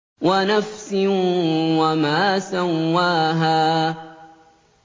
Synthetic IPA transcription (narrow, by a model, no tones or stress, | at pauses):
wanafsɪnwamaːsawːaːɦaː